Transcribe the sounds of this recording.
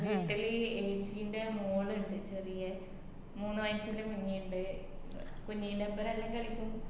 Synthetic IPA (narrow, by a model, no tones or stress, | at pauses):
ʋiʈːiliejd͡ʑijndemoːɭɨɳɖɨt͡ɕerijɐ | muːnːɨmɐjnsilekuɲːijuɳɖɨ | kuɲːijinɖepːɐɾɐlːɐŋkɐɭikʲːum